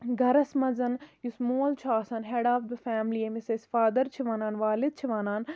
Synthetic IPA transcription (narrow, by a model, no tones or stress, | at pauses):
ɡɐɾɐsmɐzɐnjusmoːlt͡ʃʰaːsɐnɦeːɖaːfd̪ɨfaːmliemisesfaːd̪ɐɾt͡ʃʰiʋaːnaːnʋaːlɪd̪̚t͡ʃʰiʋaːnaːn